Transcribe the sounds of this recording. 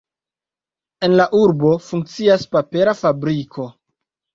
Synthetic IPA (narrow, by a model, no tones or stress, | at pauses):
e̞nlaʔuɾbo̞fuŋk̚t͡siaspape̞ɾafabɾikʰo̞